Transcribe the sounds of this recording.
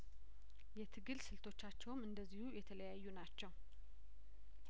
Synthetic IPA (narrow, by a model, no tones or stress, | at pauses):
jɛt̪ʰɨɡɨlsɨlt̪ʰo̞t͡ʃːat͡ʃːɛwmɨnd̪əzːihujɛt̪ʰələjajːunat͡ʃːɛw